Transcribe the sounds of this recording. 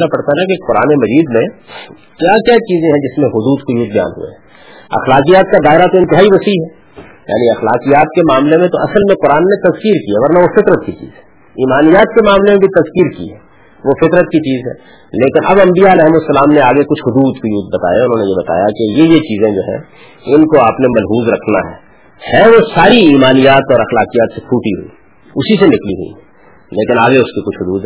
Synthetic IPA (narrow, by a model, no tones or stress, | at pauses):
napɐɽt̪aɦɛnakeqʊɾa̰ːnemɐziːd̪mẽ | kjaːkjaːt͡ʃiːzẽɦɛ̃d͡ʒɪsmẽɦʊd̪uːd̪kʊjuːd̪̚bɐja̰ːnɦʊ̰ḛɦɛ̃ | ɐ̰xlaːqijaːt̪̚kad̪aːɪɾat̪oɪ̃nt̪ɪɦaːiʋɐsiɦɛ | ja̰ːniɐxlaːqijaːt̪kemaːmlemẽt̪oʔɐsəlmẽqʊɾaːnːẽt̪ɐzkiːɾkiɦɛʋɐɾnaʋofɪt̪ɾət̪̚kit͡ʃḭːz̥ɦɛ | iːmaːnijaːt̪kemaːmlemẽbʱit̪ɐzkiːɾkḭɦɛː | ʋofɪt̪ɾət̪kit͡ʃiːzɦɛ̰ː | leːkɪnʔɐbɐ̃mbijaɾɛɦmʊsːɐlaːmneaːɡekʊt͡ʃʰɦʊd̪uːd̪kʊjuːd̪̚bɐt̪a̰ːjaʊnɦõːnejebɐt̪a̰ːja̰kejejet͡ʃiːzẽd͡ʒoːɦɛ̰̃ː | ɪnkoaːpnemɐlɦuːzɾɐkʰna̰ɦɛː | hɛʋosaːɾiiːmaːnijaːt̪ɔːɾɐxlaːqijaːt̪sepʰuːʈiɦṵḭ | ʊsisenɪklḭɦʊ̰ḭɦɛ | leːkɪnaːɡeʊskikʊt͡ʃʰɦʊd̪uːd̪